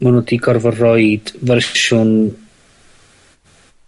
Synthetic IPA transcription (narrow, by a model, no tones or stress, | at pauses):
munɔdiɡɔrvɔrɔjd̥vɛrʃʊn